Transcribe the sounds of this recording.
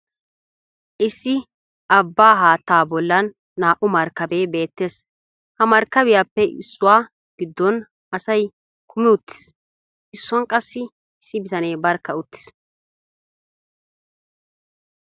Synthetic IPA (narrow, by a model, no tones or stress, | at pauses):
ʔɪsːɪ | ɐbːaːɦaːt̪ːaːbɔlːɐnː | aːʔʊmɐɾkːɐbeːbe̞ːt̪ːe̞ːs | hɐmɐɾkːɐbɪjaːpːɛʔɪsːʊwaː | ɡ̥ɪd̪ːɔn | ɐsɐj | kʰʊmɪʊt̪ːɪ̥s | ʔɪsːʊɐnkʼɐsːɪ | ɪsːɪbɪt̪ɐneːbɐɾkːɐʊt̪ːɪ̥s